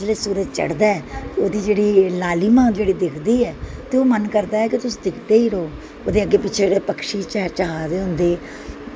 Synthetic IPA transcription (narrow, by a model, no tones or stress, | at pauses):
leːsuːɾəd͡ʒt͡ʃə̰ɽd̪aːɛːt̪eoːd̪iːd͡ʒeːɽiːlaːliːmãːd͡ʒeːɽiːd̪ɪkʰd̪iːɛːt̪eːoːmənkəɾd̪aːɛːkɪt̪ʊsd̪ɪkʰd̪eːiːɾoː | oːd̪eːəɡːeːpɪt͡ʃʰeːd͡ʒeːɽeːpəkʃiːt͡ʃːt͡ʃəɦaːd̪eːɦʊ̃nd̪eː